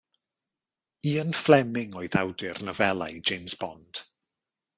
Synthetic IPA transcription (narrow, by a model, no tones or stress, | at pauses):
iːənflɛmɪŋɔːɨðawdɪrnəvɛlˠajd͡ʒejmzbɔ̰nd̥